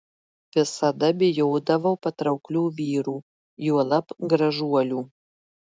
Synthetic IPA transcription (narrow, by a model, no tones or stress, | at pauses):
ʋʲɪsɐd̪ɐbʲɪjoːd̪ɐʋɐpɐt̪ɾɐʊklʲuːʋʲiːɾuː | juɔlˠɐpɡɾɐʒuɔlʲuː